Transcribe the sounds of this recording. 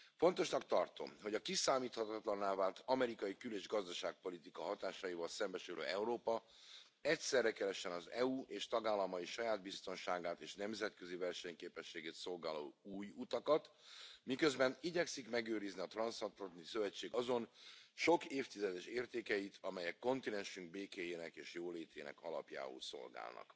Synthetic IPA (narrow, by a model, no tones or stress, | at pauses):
fo̞nt̪o̞ʃnɒkt̪ɒrt̪o̞̰mho̞ɟɒkisaːmiːt̪hɒt̪ɒt̪lɒnːaːvaːlt̪ɒmɛɾikɒjikyleːʒɡɒzd̪ɒʃaːk̚po̞lit̪ikɒɦɒt̪aːʃɒjivɒlsɛmbɛʃylø̰ːɛuɾoːpɒ | ɛcsɛrːɛkɛɾɛʃɛnɒzɛuːʔeːʃt̪ɒɡaːlːɒmɒjiʃɒjaːd̪̚bist̪o̞nʃaːɡaːt̪eːʃnɛmzɛt̪kø̞zivɛrʃɛɲkeːpɛʃːeːɡeːt̪so̞lɡaːlo̰ːuːjut̪ɒkɒt̪mikø̞zbɛniɟɛksikmɛɡøːɾizniɒt̪rɒnsɒt̪lɒnisø̞vɛt͡ʃːeːɡɒzo̞nʃo̞keːft̪izɛd̪ɛʃeːrt̪eːkɛjit̪ʰɒmɛjɛkːo̞nt̪inɛnʃyŋɡ̚beːkeːjeːnɛkeːʃjoːleːt̪eːnɛ̰kɒlɒ̰pja̰ːṵlso̞̰lɡa̰ːlnɒ̰k